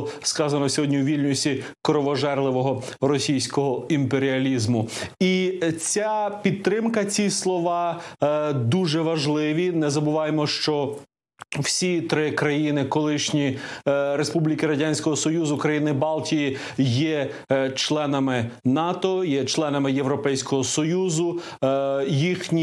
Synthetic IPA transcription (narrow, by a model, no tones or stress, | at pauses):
skɑzɐnɔsʲɔɦɔdʲnʲiuʋʲilʲnʲʊsʲikɾɔʋɔʒɛrlˠɪʋɔɦɔrɔsʲijsʲkɔɦɔimpeɾʲiɐlʲizmʊit͡sʲapʲid̪̚t̪ɾɪmkɐt͡sʲislˠɔʋɑ | d̪uʒɛʋɐʒlˠɪʋʲinɛzɐbʊʋɑjemɔʃt͡ʃɔ | w̥sʲit̪ɾɪkɾɐjinɪkɔlˠɪʃnʲiɾespublʲikɪɾɐdʲanʲsʲkɔɦɔsɔjuzʊkɾɐjinɪbɑlˠtʲiji | jɛ | t͡ʃlˠɛnɐmɪnɑt̪ɔjɛt͡ʃlˠɛnɐmɪjewɾɔpɛjsʲkɔɦɔsɔjuzʊ | jixnʲi